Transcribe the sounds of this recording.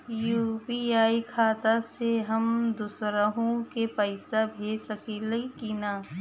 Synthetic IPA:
juːpiaːikʰaːt̪aseɦɐmd̪usɾəɦõkepɐɪsabʱeːsɐkilikinaː

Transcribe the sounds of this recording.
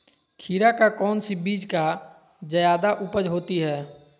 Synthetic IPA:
kʰiːɾakakɔːnsibiːd͡ʒka | d͡ʒəjaːd̪aʔʊpəd͡ʒɦoːt̪iɦɛː

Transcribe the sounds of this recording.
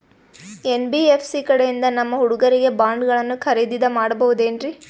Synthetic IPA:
enbiepʰsikɐɽejind̪ɐnɐmːɐɦuɽuɡɐɾiɡe̞baːɳɖɡɐɭɐnːukʰɐɾid̪id̪ɐmaːɽɐbɐʋud̪e̞ːnɾi

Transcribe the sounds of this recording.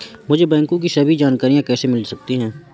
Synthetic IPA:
mʊd͡ʒʱebɛ̃ːŋkõk̬isɐbid͡ʒaːnkaːɾijãkɛːsemɪlsɐk̚t̪iɦɛ̃ː

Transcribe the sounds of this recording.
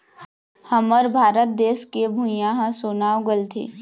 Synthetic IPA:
hɐməɾbʱaːɾət̪̚d̪eːskebʱujãɦãsoːnaːwɡəlt̪ʰḛː

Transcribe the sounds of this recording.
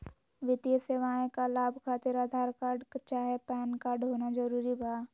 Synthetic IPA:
ʋɪt̪ijəseʋaːẽkalaːbʱkʰaːt̪ɪɾaːd̪ʱaːɾkaːɾɖkt͡ʃaːɦepɛːnkaːɾɖɦoːnad͡ʒəɾuːɾibʱaː

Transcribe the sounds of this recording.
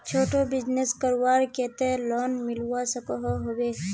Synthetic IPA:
t͡ʃʰoːʈobɪd͡ʒneskəɾwaːɾkeːt̪eloːnmɪlwasəkoɦoɦoweː

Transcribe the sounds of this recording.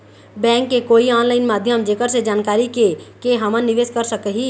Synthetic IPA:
bɛ̃ːŋkːekoːiaːnlaːɪnmaːd̪ʱjəmd͡ʒeːkəɾsed͡ʒaːnkaːɾikekeɦɐmənnːɪʋeːskəɾsəkəɦiː

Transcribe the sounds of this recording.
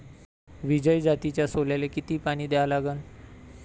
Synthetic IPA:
ʋid͡ʑəjd͡zat̪it͡ɕjasoljalekit̪iːpaɽ̃iːd̪eʋalaɡən

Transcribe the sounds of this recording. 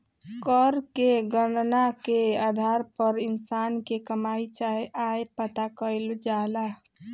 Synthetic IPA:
kəɾkeɡənnakead̪ʱaɾpəɾinsankekəmait͡ʃaɦeʔajpət̪akəɪld͡ʒala

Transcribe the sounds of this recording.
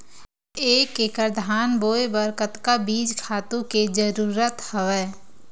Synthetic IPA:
eːkekəɾd̪ʱaːnboːebəɾkət̪kabiːd͡ʒkʰaːt̪ũked͡ʒəɾuːɾət̪həʋɛː

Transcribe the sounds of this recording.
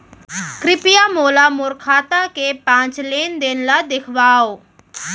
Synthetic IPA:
kɾɪpijamoːlamʊɾkʰaːt̪akepãːt͡ʃleːnd̪eːnlad̪ɪkʰʋaːoː

